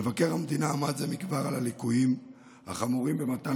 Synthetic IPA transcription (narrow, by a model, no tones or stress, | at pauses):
evake̞ʁhamd̪inaːmazemikbaʁalalikujim | ha̰χamuʁimbe̞mat̪a